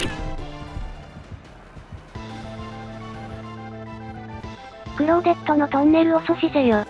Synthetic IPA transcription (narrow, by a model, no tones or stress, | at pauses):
kɯ̟ɾoɡ̪e̞t̪ːonot̪õnːe̞ɾɯ̟osoɕizejo